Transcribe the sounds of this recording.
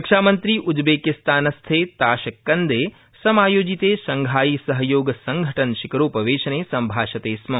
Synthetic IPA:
ɐkʃaːmɐnt̪ɾiʔud͡ʒbeːkist̪aːnɐst̪ʰeːt̪aːʃɐkːɐnd̪eː | sɐmaːjoːd͡ʒit̪eːsɐŋɡʱaːjiːsɐɦɐjoːɡɐsɐŋɡʱɐʈɐnʃikɐɾoːpɐʋeːʃɐneːsɐmbʱaːʃɐt̪eːsmɐ

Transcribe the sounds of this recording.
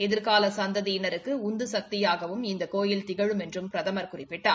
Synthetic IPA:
ɛðɪɾkaːlɐsɐnd̪ɐðiɪnɐɾɯkːɯʊnd̪ɯsɐk̚t̪ɪjaːɣɐʋɯmɪnd̪ɐkoːjɪlt̪ɪɣɐɻɯmɛndrɯmpɪɾɐðɐmɐɾkʊrɪpːɪʈːaː

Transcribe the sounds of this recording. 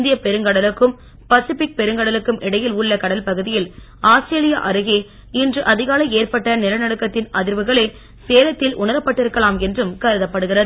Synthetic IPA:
nd̪ɪjɐpɛɾɯŋɡɐɽɐlɯkːɯm | pɐsɪfɪk̚pɛɾɯŋɡɐɽɐlɯkːɯmʔɪɽɐjɪlʊɭːɐkɐɽɐlpɐɣɯðɪjɪl | aːsʈɾeːlɪja̰ːʔɐɾɯɣeː | ɪndrɯʔɐðɪɣaːlɐeːrpɐʈːɐnɪlɐnɐɽɯkːɐt̪ːɪnɐðɪɾʋɯɣɐɭeː | seːlɐt̪ːɪlʔʊɳɐɾɐpːɐʈːɪɾɯkːɐlaːmɛndrɯmkɐɾɯðɐpːɐɽɯɣɪrɐðɯ

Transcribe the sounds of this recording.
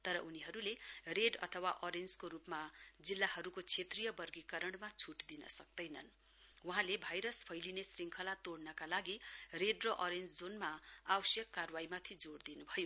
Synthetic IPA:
t̪ʌɾʌʔuniɦʌɾulereɖʌ̰t̪ʰʌwaʔʌɾend͡zkoɾupmad͡zilːahʌɾukot͡sʰet̪rijʌbʌrɡikʌɾʌɽmat͡sʰuʈd̪inʌ̰sʌk̚d̪ʌjnʌn | wuɦãlebʱajɾʌspʰʌjlinesriŋkʰʌlat̪oɽnʌkalaɡireɖrʌʔʌɾend͡zd͡zonmaawʌsjʌkːarwajmat̪ʰid͡zoɽd̪inubʱʌjo

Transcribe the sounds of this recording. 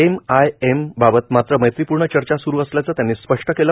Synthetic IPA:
emajembabət̪mat̪ɾəməjt̪ʋipuɾɳət͡ɕəɾt͡ɕasuɾuːəsljat͡sat̪janːispəʂʈəkelə

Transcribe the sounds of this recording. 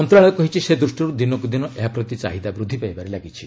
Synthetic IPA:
ɔnt̪ɾaɭɔjɔkɔɦit͡ʃʰised̪ɾusʈɔɾud̪inɔkud̪inɔʔeɦapɾɔt̪it͡ʃa̰ɦid̪abɾud̪ʱːipajbaɾelaɡit͡ʃʰi

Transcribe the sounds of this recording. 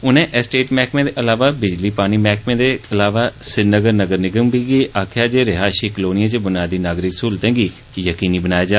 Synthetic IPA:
ʊnẽːʔɛsʈeːʈmɛːkmẽːd̪eːʔəlaːʋaːbɪd͡ʒliːpaːñiːmɛːkmẽːd̪eːəlaːʋaːsɪnəɡəɾnəɡəɾnɪɡəmbiːɡiːʔaːkʰjaːd͡ʒeːɾɪɦaːʃiːkəloːnɪjãːt͡ʃbənaːd̪iːnaːɡɾɪksuːlt̪ɛ̃ːɡiː | jəkiːniːbənaːeːd͡ʒaː

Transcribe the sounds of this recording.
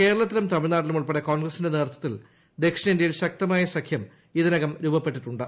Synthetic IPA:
ke̞ːɾɐɭɐt̪ːilɐmt̪ɐmiɭnaːɾilumuɭpeɽeko̞ːnɡrɐsinde̞neːrt̪ʰːɐt̪ːil | d̪e̞kʂinɐindjɐjilɕɐk̚t̪ɐmaːjɐsɐkʰjɐm | iðɐnɐɣɐmɾuːbɐpːe̞ʈːiʈːuɳɖɨ

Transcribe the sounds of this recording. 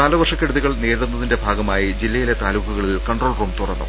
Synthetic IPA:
aːlɐʋɐrʂɐkːeɽuðiɣɐɭneːɾunːɐðinde̞bʱaːɡɐmaːjid͡ʑilːɐjile̞t̪aːluːkːɐɣɐɭilkɐɳɖroːlruːmt̪urɐ̰nːṵm

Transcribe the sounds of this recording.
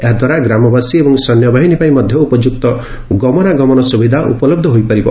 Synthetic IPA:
eɦad̪ʱwaɾaɡɾamɔbasiebɔŋsɔnjɔbʱaɦinipaĩmɔd̪ʱjɔupɔd͡ʒuk̚t̪ɔ | ɡɔmɔnaɡɔmɔnɔsubid̪ʱaʔṵpɔlɔb̚d̪ʱɔɦojpaɾibɔ

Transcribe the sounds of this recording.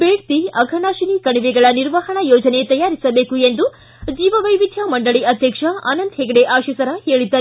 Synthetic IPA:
beːɽt̪iɐɡʱɐnaːʃinikɐɳiʋɛɡɐɭɐniɾʋaɦɐɳɐjoːd͡ʒɐnet̪ɐjaːɾisɐbe̞ːkuend̪u | d͡ʒiːʋɐʋɐjʋid̪ʱjɐmɐɳɖɐɭiʔɐd̪ʱjɐkʂɐɐ̰nɐnd̪ɦeɡɐɽeʔaːʃɐsɐɾɐɦe̞ːɭid̪ːɐɾ

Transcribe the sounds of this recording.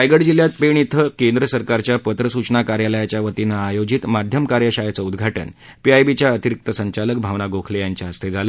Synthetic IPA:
ajɡəɽd͡ʑiljat̪̚peɳ̃it̪ʰəkend̪ɾəsəɾkaɾt͡ɕjapət̪ɾəsut͡ɕnakaɾjaləjat͡ɕjaʋət̪inaːjod͡ʑit̪mad̪ʱjəmkaɾjəɕajat͡səud̪ɡʱaʈə̰n | piajbit͡ɕjaət̪iɾik̚t̪əsəɲt͡ɕalək̚bʱaʋnaɡokʰlejaɲt͡ɕjaəst̪ʰed͡zalə

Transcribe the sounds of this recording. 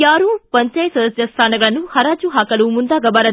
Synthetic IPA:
aːɾupɐɲt͡ʃɐjsɐd̪ɐsd͡ʒɐst̪ʰaːnɐɡɐɭɐnuhɐɾaːd͡ʒuɦaːkɐlumund̪aːɡɐbaːɾɐ

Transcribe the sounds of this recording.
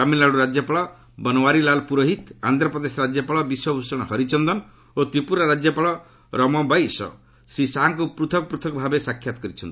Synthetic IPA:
amilaɭuɾad͡ʒjɔpaɭɔ | bɔnɔwaɾilalpuɾoɦit̪and̪ɾɔpɾɔd̪esɔɾad͡ʒjɔpaɭɔbiswɔbʱusɔɽ̃ɔɦɔɾit͡ʃɔnd̪ɔn | ot̪ɾipuɾaɾad͡ʒjɔpaɭɔ | ɾɔmɔbajsɔ̰ | sɾisaɦaŋkupɾut̪ʰɔkɔpɾut̪ʰɔkɔbʱabesakʰjat̪ɔ̥kɔɾit͡ʃʰɔnn

